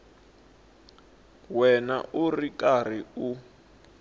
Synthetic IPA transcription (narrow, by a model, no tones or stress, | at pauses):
wɛna̰ʔurikar̤iu